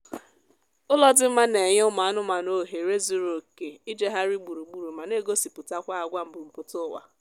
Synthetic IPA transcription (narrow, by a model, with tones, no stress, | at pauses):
ʊ˦lɔ˦dɪ˦m̩˦ma˦ne˨ɲe˦ʊ˦ma˨a˦nʊ˦ma˨no˦˨ɦe˨ɾe˦zu˦ɾo˨ke˨i˦d͡ʒe˦ɦa˦ɾi˦ɡ͡bu˨ɾu˨ɡ͡bu˨ɾu˨ma˨ne˦ɡo˦si˨pʊ˨ta˦kʷa˦a˨ɡʷa˦m̩˨bʊ˨m̩˨pʊ˨tʊ˦wa̰˨